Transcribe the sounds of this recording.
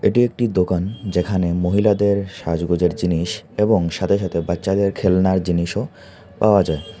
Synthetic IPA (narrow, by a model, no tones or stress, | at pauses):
eʈiek̚ʈid̪okand͡ʑekʰanemoɦilad̪eɾʃad͡ʑɡod͡ʑeɾd͡ʑiniʃeboŋʃat̪ʰeʃat̪ʰebatːɕad̪eɾkʰelnaɾd͡ʑiniʃo | paoad͡ʑae